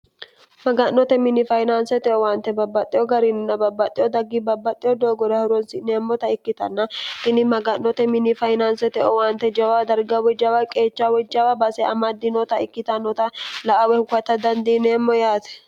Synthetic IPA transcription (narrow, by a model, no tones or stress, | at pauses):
mɐɡɐnːɔt̪ɛmɪnɪfɐjnansɛt̪ɛʔɔwaːnt̪ɛbɐbːɐt̪ʼːɪɔɡɐɾinʊnːɐbɐbːɐt̪ʼːɪjɔd̪ɐɡːibɐbːɐt̪ʼːɪjɔd̪oːɡɔd̪ɐhʊɾɔnsɪneːmːɔt̪ɐɪkːɪt̪ɐnːɐʔɪnɪmɐɡɐnːɔt̪ɛmɪnɪfɐjnansɛt̪ɛʔɔwaːnt̪ːɛd͡ʒɐwad̪ɐɾɡɐwɛd͡ʒɐwɐkʼe̞ːt͡ʃd͡ʒːawɛd͡ʒːɐwɐbɐsɛɐmɐd̪ɪnɔt̪ɐɪkːɪt̪ɐnːɔt̪ɐlɐʔɐwɛhʊkɐt̪ːɐd̪ɐnd̪iːneːmːɔjaːt̪ɛ̥